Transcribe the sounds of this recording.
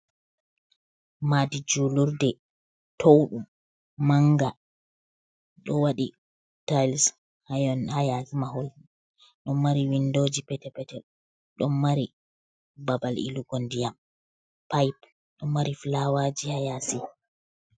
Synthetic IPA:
madid͡ʒuluɾdɛ | tʰowɗum | maŋɡa | ɗɔwaɗi | tajls | hajɔnhajasimaɦol | ɗɔmːaɾiwindoːd͡ʒipɛtɛpɛtɛ | ɗɔmːaɾi | babalʔḭluɡondijam | pajp | ɗɔmːaɾiflawad͡ʒihajasi

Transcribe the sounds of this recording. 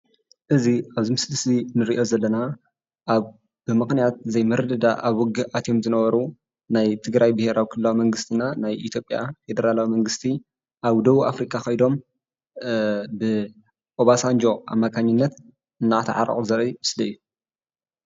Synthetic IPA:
ʔɨziʔaβzɨmɨslɨsinɨɾiʔo̞zɐlːɐna | ʔa | bɨmɨxnijat̪̚zɐjmɨɾɨd̪ɐd̪aʔaβɔɡɨʔat̪jo̞mzɨnɐβɐɾu | najt̪ʰɨɡɾajbɨhe̞ɾawikʰɨlɨːawimɐŋɡɨst̪ʰinanajʔit̪ʰjo̞pʼjafe̞d̪ɐɾalawimɐŋɡɨst̪ʰi | ʔaβd̪ɐβuʔafɾikʼʰaxɐjd̪o̞m | bɨ | ʔoβasand͡ʒo̞ʔa̰mːakʰaɲːinːɐt̪ | ɨnːaʔt̪ʰa̰ʕa̰ɾɐ̰χʼuzɐɾimɨslɐjːu

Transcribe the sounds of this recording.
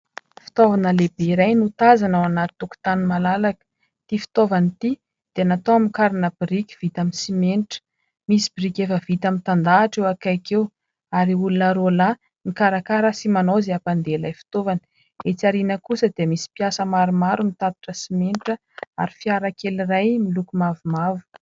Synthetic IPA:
fi̥t̪ovanəlebeiɾajnut̪azanawanat̪i̥t̪uku̥t̪animalalakə̥ | t̪ifi̥t̪ovanit̪i | d̪̥eanat̪owamikaɾinəbiɾikʲi̥v̥it̪aminsimenʈ͡ʂə̥ | misi̥biɾikʲefəv̥it̪amint̪and̪aːʈ͡ʂewakajkew | aɾiulunəɾola | mikaɾakaɾəsimanowzeapand̪elajfi̥t̪ovani̥ | et͡siaɾinəkusəd̪emisi̥piasəmaɾumaɾumit̪ad̪i̥ʈ͡ʂəsimenʈ͡ʂə | a̰ɾifiaɾakelirajmilukumavumavu̥

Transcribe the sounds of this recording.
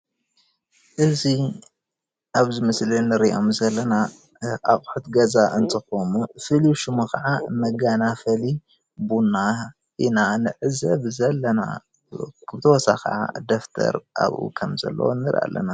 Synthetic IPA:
ʔɨzi | ʔaβzɨmɨslinɨɾiʔomzɐlːɐna | ʔaχʼħut̪ɡɐzaʔɨnt̪ʼɨxomufɨliʃɨmukʰɐʕamɐɡanafɐli | bunːa | ʔinanɨʕɨzɐβzɐlːɐna̰ | kʰβt̪ʰɐwɔsa̰kɐ̰ʕa̰d̪oft̪ʰɐ̰ɾʔa̰βṵkʰɐmzɐ̰lːɐ̰wonːɨɾa̰lːɐ̰na

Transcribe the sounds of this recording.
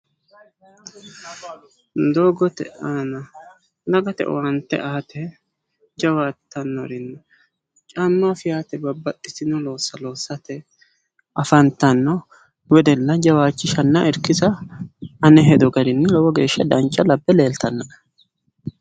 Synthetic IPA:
d̪oːɡɔt̪ɛ̰ʔanɐ | nɐɡɐt̪ɛ̰ʔwɐnt̪ːɛ̰ʔaːt̪ʰɛ | d͡ʒɐwaːt̪ʰːɐnːɔɾɪnːɐ | t͡ʃʼamːafɪjaːt̪ɛbɐbːɐt̪ʼːɪsɪnɔlo̞ːsːɐlo̞ːsːɐt̪ɛ | ʔɐfɐnt̪ɐnːɔ | wɛd̪ɛlːɐd͡ʒɐwaːt͡ʃːɪʃɐnːɐʔɛɾkɪzɐ | ɐnɛɦɛd̪ɔɡɐd̪ɪnːɪlɔwɔɡe̞ːʃːɐd̪ɐnt͡ʃʼːɐlɐbːɛle̞ːlt̪ʰɐnːɐʔ

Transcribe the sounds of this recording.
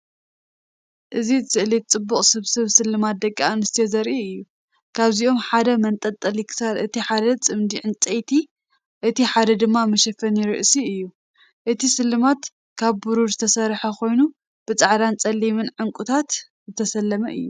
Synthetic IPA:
ʔɨzizɨʔlit͡sʼɨbːuχʼsɨβsɨβsɨlːɨmat̪̚d̪ɐkʼːaanɨst̪ʰjɛzɐɾʔiɨjːu | kʰaβziʔo̞mħad̪ɐmɐnt̪ʼɐt̪ʼɐlikʰɨ̥salɨt̪iħad̪ɐt͡sʼɨmd̪iʕɨnt͡sʼɐjt̪ʰi | ʔɨt̪iħad̪ɐd̪ɨmːamɐʃɐfɐnjɪɾɨʔsiɨjːu | ʔɨt̪ʰisɨlːɨmat̪ | kʰaβbuɾuɾzɨt̪ʰɐsɐɾħɐkʰo̞jnu | b̥ɨt͡sʼaʕd̪ant͡sʼɐlːimɨnʕɨŋkʼut̪ʰat̪ | zɨt̪ʰɐsɐlːɐmɐʔɨ̰jːu

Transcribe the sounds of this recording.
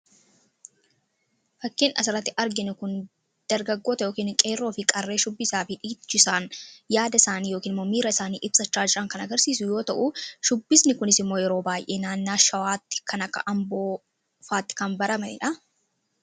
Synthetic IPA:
fɐkːɪnʔɐsɪɾɐt̪ːɪʔɐɾɡɪnʊkʊn | d̪̥ɐɾɡɐɡːoːt̪ɐjo̞ːkiːnkʼe̞ːrːoːfɪkʼɐrːe̞ːʃʊbːɪsaːfɪᶑiːt͡ʃːɪsaːnjaːd̪ɐɪsaːniːjoːkiːnmoːmiːɾɐɪsaːnḭːʔɪb̥sɐt͡ʃːaːd͡ʒɪɾɐŋkɐnɐɡɐɾsiːsʊjo̞ːt̪ɐʔʊʃʊbːɪsnɪkʊnɪsɪmːo̞ːjɛɾo̞ːbaːjʔeːnaːnːaːʃɐwaːt̪ːɪ̥kʰɐnɐkːɐʔɐmbo̞ː | faːt̪ːɪ̥kɐmbɐɾɐmɐɪ̰ᶑɐ

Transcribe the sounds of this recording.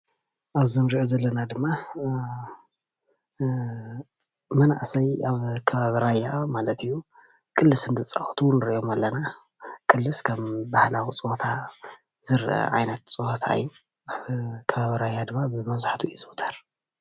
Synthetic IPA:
ʔaβzomɾiʕozɐlːɐnad̪ɨmːa | mɐnaʔsɐjaβkʰɐβaβiɾajːamalɐt̪ijːu | kʼɨlːɨsɨnd̪ɨt͡sʼaʔot̪ʰunɨɾʔo̞malːɐna | kʼɨlːɨskʰɐmbahlawit͡sʼɨhot̪ʰa | zɨɾʔɐ̰ʕajnɐt̪t͡sʼɨhot̪ʰa̰ɨ̰jːu | ʔaβkʰɐβaβiɾajad̪ɨmːabɨmɐβzaħt̪ʰuʔizut̪ʰɐɾ

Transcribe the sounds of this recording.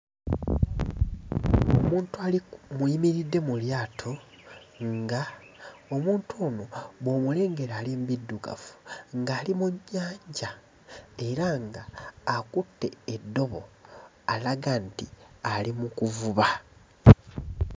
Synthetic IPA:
omuːntualimuimiɾidːe̞muljaːtʰo̞ | ŋɡa | omuːntʰoːno̞βo̞mule̞ːŋɡe̞ɾaːlimbidːuɡa̰fu̥ŋɡaːlimuɲːaːɲɟa | e̞ɾaŋɡaːkutːe̞ːdːo̞βo̞ | alaɡantialimukuvuβa

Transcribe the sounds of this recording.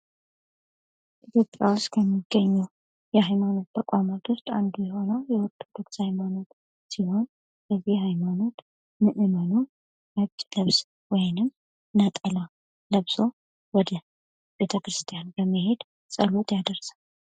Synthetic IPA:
ʔit̪ʰjo̞pʼjawʊst̪kʰəmːiɡ̥ːəɲːɛw | jɛhajmano̞t̪̚t̪ʰəkʷʼamat̪ʰwʊst̪ʼand̪ujɛho̞nəwjɛwɔɾt̪ʰːod̪o̞kshajmano̞t̪ | siho̞n | bəzihhajmano̞t̪ | mɨʔɨmanu | mat͡ʃʼləβs | wɔjnɨm | nət̪ʼəla | ləβso̞ | wɔd̪ə | b̥e̞t̪ʰəkɾɨst̪ʰʼijanbəmːihe̞d̪ | sʼəlot̪jad̪əɾsal

